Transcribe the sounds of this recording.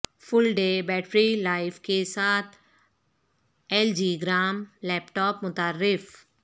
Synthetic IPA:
fʊlɖeːbɛːʈɾilaːɪfkesaːt̪ʰ | ɛːld͡ʒiːɡɾaːmlɛːpʈɔːpmʊt̪aːɾːɪf

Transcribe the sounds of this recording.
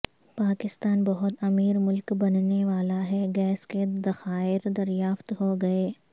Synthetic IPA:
paːkɪst̪aːnbɐɦʊt̪ɐmiːɾmʊlkbɐnneʋaːlaɦɛɡɛːsked̪ɐxaːɪɾd̪ɐɾjaːft̪ɦoɡɐeː

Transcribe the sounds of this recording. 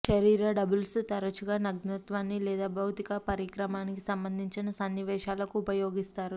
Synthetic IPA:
ʃɐɾiːɾɐɖɐbulst̪ɐɾɐt͡ʃuɡaːnɐɡnɐt̪ʋaːnːilɛːd̪aːbʱɐwt̪ikɐpɐɾikɾɐmaːnikisɐmbɐnd̪ʱiɲt͡ʃinɐsɐnːiʋɛːʃaːlɐkuːpɐjoːɡist̪aːɾu

